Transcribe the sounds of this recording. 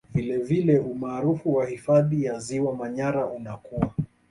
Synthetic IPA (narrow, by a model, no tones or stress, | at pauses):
vilɛvilɛʔumaːɾufuwahifaðijaziwamaɲaɾaʔunakua